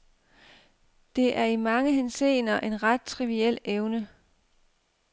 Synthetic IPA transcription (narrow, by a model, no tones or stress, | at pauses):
d̥e̝ʔæɐimɑ̈ŋəɦense̝̰ːnɐʔe̝nʁɑ̈d̥̚t͡sʰʁiʋiel̰eʊnə